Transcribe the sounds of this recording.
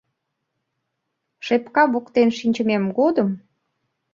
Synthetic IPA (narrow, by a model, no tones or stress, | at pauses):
ʃepkɑβukt̪enʃinʲt͡ɕə̆memɡod̪əm